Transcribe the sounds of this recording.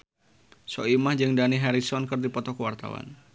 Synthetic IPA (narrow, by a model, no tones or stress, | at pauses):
sɔimahd͡ʒɨŋdaniɦɛɾisɔnkərdipɔt̪ɔkəwart̪a̰wa̰n